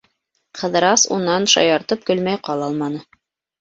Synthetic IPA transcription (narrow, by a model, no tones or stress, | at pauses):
qʰɤ̆ðɤ̆ɾɑsṵnɑnʃɑ̰jɑɾt̪ɤp̚kɵ̆lmæjqɑlˠɑlˠmɑnɤ